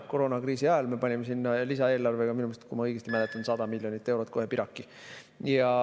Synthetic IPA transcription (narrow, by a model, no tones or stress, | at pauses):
koɾo̞ːnɑkriːsiɑelme̞pɑnʲimesinːɑlisɑe̞ːlɑrve̞ɡ̥ɑminumese̥t̪kumɑɤjɡ̥est̪imælet̪ːˑɑnsɑd̪̥ɑmilʲjo̞nit̪ːˑe̞wɾo̞t̪̚ko̞ɦepiɾɑkˑːi | jɑ